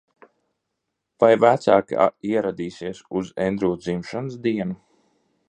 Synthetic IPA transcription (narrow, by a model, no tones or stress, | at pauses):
v̥ajvæt̪saːka̰iɛɾad̪iːsiɛsuzɛnd̪ɾuːd̪zimʃansd̪iɛnu